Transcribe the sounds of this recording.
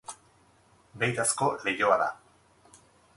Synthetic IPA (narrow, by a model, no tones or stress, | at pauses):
be̞jt̪asko̞le̞joaða̰